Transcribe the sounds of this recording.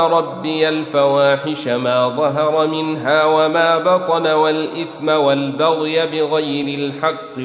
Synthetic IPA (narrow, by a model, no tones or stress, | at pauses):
ɾˤɑbːɪjalfawaːħɪʃamaːðˤɑɦɑɾˤɑmɪnɦaːwamaːbɑt̪ˤɑnawalʔɪθmawalbaɣjabɪɣajɾɪlħɑqː